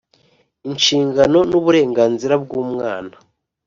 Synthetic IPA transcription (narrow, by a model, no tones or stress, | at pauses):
inʃiːŋɡano̞nuβuɾe̞ːŋɡaːnziɾabɡuːmŋaːna